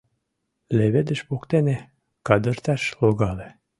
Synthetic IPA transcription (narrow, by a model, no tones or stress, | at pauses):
lʲeβed̪ɘ̆ʃbukt̪ene | kɑd̪ɤ̆ɾt̪æʃloɡɑle